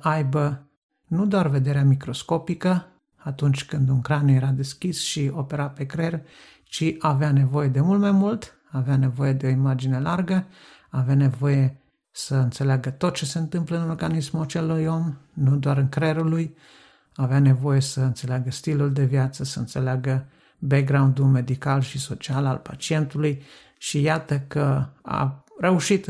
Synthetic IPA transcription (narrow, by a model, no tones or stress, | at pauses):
ʔajbə | nud̪oarve̞d̪e̞ɾeamikɾo̞sko̞pikə | at̪unt͡ʃʲkɨnd̪unkɾanje̞ɾad̪e̞skʲisʃio̞pe̞ɾape̞kɾer | t͡ʃiʔaveane̞vo̞je̞d̪e̞mult̪majmult̪ | aːveane̞vo̞je̞d̪e̞o̞imad͡ʒine̞larɡə | aveane̞vo̞je̞ | səɨnt̪se̞leaɡət̪o̞t̪̚t͡ʃe̞se̞ɨnt̪ɨmpləɨnmeɡanismuat͡ʃe̞luujo̞mnud̪oaɾɨŋkɾeɾuluj | aːveane̞vo̞je̞səɨnt̪se̞leaɡəst̪iluld̪e̞vjat̪səsəɨ̰nt̪se̞leaɡə | bek̚ɡɾaund̪ume̞d̪ikalʃiso̞t͡ʃiala̰lpa̰t͡ʃie̞nt̪uluj | ʃijat̪əkəa̰re̞uʃit̪